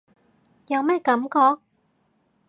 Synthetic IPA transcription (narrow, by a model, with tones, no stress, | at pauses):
jɐ˨˧wmɛː˥kɐ˨˥mkɔː˧k̚